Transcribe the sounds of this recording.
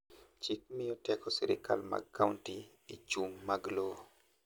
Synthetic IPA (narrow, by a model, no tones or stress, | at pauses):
t͡ʃik̚mɪjɔtɛkɔsɪɾɪ̰kʰa̰lma̰kʰːauntiː | t͡ʃumːaɡlo